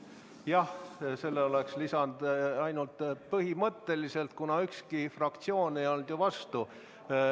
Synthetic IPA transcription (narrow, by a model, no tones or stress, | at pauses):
jɑhse̞lːeo̞le̞kslisɑnd̪̥ɑjnult̪pɤɦimɤt̪ːe̞lise̞lt̪kunɑykskifrɑkt̪sio̞ːnejo̞ld̪̥juvɑst̪u